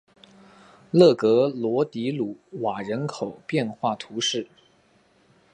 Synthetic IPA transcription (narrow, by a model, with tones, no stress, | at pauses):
lɤ˥˩kɤ˧˥lwɔ˧˥t̪i˧˥lu˨˥wa˨˩ɻə˧˥nkʰo˨˩ʊpjɛ˥˧nxwa˥˩t̪ʰu˧˥ʂɻ̩˥˩